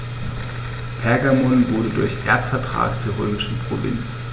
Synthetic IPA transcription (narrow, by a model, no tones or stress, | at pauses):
pʰɛɐɡamɔnvʊɐdədʊɐçʔḛːɐtfɛɐtʁ̥a̰ːkt͡suːɐʁøːmɪʃn̩pʁ̥o̰vɪ̰nt͡s